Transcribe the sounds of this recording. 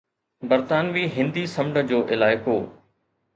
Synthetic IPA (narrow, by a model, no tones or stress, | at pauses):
bɐɾt̪aːnʋiːɦɪ̃nd̪iːsɐmɖəd͡ʑoːʔɪlaːɪkoː